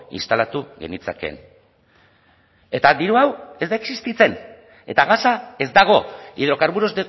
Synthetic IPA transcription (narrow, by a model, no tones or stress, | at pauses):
ḭnst̪alat̪uɣe̞̰nit͡sa̰ke̞̰n | e̞t̪ad̪iɾuawe̞zd̪aeksist̪it͡se̞n | e̞t̪aɣasae̞zd̪aɣ̞o̞ḭð̞ɾo̞kaɾβuɾo̞zd̪e